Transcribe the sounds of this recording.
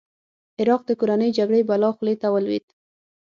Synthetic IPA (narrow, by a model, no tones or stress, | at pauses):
ɪɾɑq̚d̪əkoɾanəjd͡ʒaɡɽəjbalɑxlet̪awəlwḭt̪